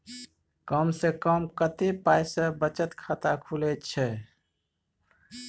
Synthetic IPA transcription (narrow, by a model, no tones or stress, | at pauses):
kəmsẽkəmkət̪epajsə̃bət͡ʃət̪kʰat̪akʰulɛt̪t͡ʃʰɛ